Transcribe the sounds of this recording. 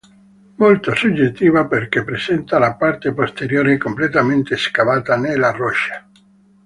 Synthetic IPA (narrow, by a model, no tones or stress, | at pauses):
molt̪osud͡ʒːet̪ːiːvaperkepːɾesɛnt̪alapart̪epost̪eɾjoːɾekomplet̪ament̪eskavaːt̪anelarɔʃːḁ